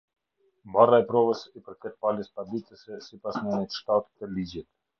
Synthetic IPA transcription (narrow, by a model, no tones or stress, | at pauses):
mbaraɛpɾɔvəsipəɾkɛt̪̚paləspad̪it͡s̪əsɛsipasnɛnit̪ʃt̪at̪i̥t̪ːɛlid͡ʑit̪̚